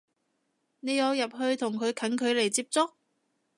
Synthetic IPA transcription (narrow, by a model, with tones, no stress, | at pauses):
ne˨˧jɔː˨˧wjɐ˨p̚ɦɵ˧ɥt̪ʰʊ˨˩ŋkʰɵ˨˧ɥkʰɐ˨˥nkʰɵ˨˧ɥle˨˩jt͡siː˧p̚t͡sʊ˥k̚